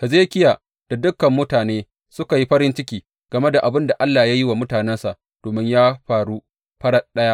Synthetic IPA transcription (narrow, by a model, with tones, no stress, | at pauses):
hɐ˨zeː˦kʲɪ˦ja˨ | d̥a˨dʊ˦kːɐ˨mːʊ˦taː˨neː˦ | sʊ˦ka˨ji˦ɸɐ˦ɾɪ˦nt͡ʃɪ˦kʲiː˨ | ɡ̥ɐ˨me˦da˨ʔa˨bɪ˦nda˨ʔa˦lːaː˨ja˦jɪ˦wa˨mʊ˦taː˨nɛ˦nsa˨ʔ | d̥oː˨mɪ˦ɲjaː˦ɸaː˨ɽu˦ | ɸɐ˦ɽɐ˦ɗɐ˦ja˦ʔ